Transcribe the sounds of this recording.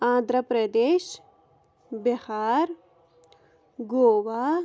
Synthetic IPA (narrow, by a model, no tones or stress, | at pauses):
ãːnd̪ɾəpɾɐd̪eːʃ | behaːɾ | ɡoːʋaː